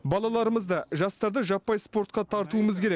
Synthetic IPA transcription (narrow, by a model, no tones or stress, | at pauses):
bɑlˠɑlˠɑɾəməzd̪ɑʒɑst̪ɑɾd̪əʒɑpːɑjspo̞ɾt̪̚qɑt̪ʰɑɾt̪uəməzkʲʰe̞ɾek